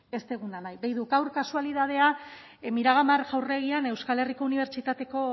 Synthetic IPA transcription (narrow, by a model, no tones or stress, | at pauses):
e̞st̪e̞ɣ̞unanajbejðukawɾkasualið̞að̞e̞a | miɾaɣamaɾʝawre̞ɣiane̞wskale̞riko̞uniβ̞e̞ɾt͡ʃit̪at̪e̞ko̞